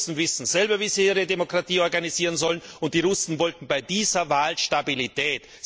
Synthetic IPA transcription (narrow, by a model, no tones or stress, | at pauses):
sn̩vɪsn̩z̥ɛlbɐviːziiːʁədemokʁ̥atiːɔɐɡaniziːʁənzɔlənʊnt̚d̥iːʁʊsn̩vɔltn̩baɪdiːzɐvaːlʃtabilitʰɛːt